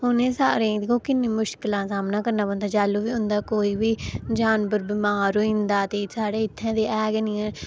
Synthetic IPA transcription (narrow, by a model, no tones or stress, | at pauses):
ɦʊnẽːsaːɾẽːkõːkɪnːẽːmʊʃkɪlãːsaːmnaːkəɾnaːbə̃nd̪aːd͡ʒaːloːʋiːʊ̃nd̪aːkoːiːʋiːd͡ʒaːnbəɾbɪmaːɾɦoĩnd̪aːt̪eːsaːɽeːɪt̪ʰːãːd̪eːʔɛːɡniɛ̃ː